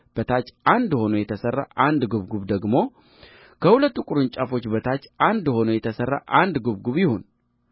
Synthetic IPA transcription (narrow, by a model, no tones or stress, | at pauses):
b̥ət̪ʰat͡ʃːand̪ho̞nujɛt̪ʰəsərːa̰ʔand̪ɡuβɡuβd̪əɡmo̞ | kʰəhulət̪ːukʼuɾɨnt͡ʃʼafo̞t͡ʃːbət̪ʰat͡ʃːand̪ho̞nujɛt̪ʰəsərːa̰ʔand̪ɡuβɡuβjɪho̞n